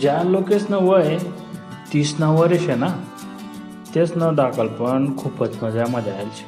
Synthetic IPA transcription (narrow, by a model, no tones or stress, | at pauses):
d͡ʑalokesnəʋəj | t̪isnaʋəɾeɕena | t̪esnəɖakəlpəɳkʰuːpət͡snəd͡zjaməd̪ʱjajlt͡ɕe̥